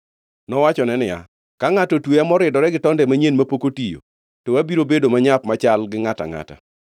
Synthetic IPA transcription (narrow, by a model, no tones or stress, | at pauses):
nɔwat͡ʃɔnɛnɪja̰ | kaŋatotweamɔɾɪdɔɾɛɡɪtɔndɛmaɲenmapokotijo̰ | towabiɾobedomaɲapmat͡ʃalɡɪŋata̰ŋa̰ta̰